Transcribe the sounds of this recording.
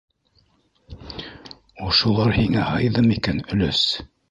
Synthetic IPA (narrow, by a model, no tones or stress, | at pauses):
ŏʃulˠɑɾhiŋæhɑjðɤmikænɵ̆læs